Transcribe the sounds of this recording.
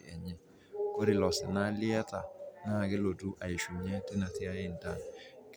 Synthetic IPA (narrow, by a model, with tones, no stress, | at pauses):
ɛ̰˨ɲɛ˨ | ko˦ɾi˨lɔ˨sɛ˨na˦li˦a˦ta˨na˦˨kɛ˦lo˨du˦ʔa˨i˨ʃu˨ɲɛ˦te˦na˨te˦a˦je˦˨n̩˨da˦˨n˨k